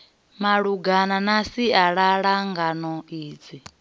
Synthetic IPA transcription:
maɺuɡananasiaɺaɺaŋɡanɔiːd͡zi

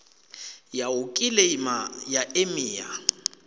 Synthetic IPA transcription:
jaʊkʼilɛimajaʔemiːja̰

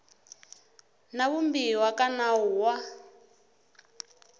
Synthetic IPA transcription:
naβumbiwakanauwa

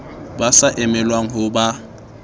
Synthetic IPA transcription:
basaʔɪmɛlwaŋ̩ɦʊba

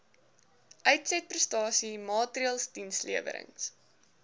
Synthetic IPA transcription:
ʔœɥtsɛt̚prəstɑːsimɑːtriɑlˠsdinsliəvə̰ɾə̰ŋs

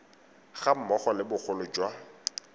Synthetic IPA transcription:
χam̩mɔχɔlɪbʊk͡xʰʊlʊd͡ʒwa

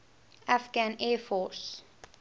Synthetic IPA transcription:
afɡãnɛːfɔs

